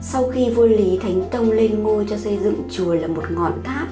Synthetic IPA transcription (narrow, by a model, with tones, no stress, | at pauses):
sa˧wxi˧vu˧li˨˦t̪ʰa˨˦jŋ̟t̪ə˧wŋ͡mle˧nŋo˧jt͡ɕɔ˧sə˧jzɨ̰˧˨ŋt͡ɕu˨˩əlaː˨˩mo˨˩t̚ŋɔ̰˧˨nxʰaː˦˥p̚